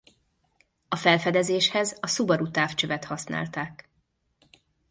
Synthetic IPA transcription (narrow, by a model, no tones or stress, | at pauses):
ɒfɛlfɛd̪ɛzeːʃhɛzɒsubɒɾut̪aːft͡ʃøvɛt̪hɒsna̰ːlt̪aːk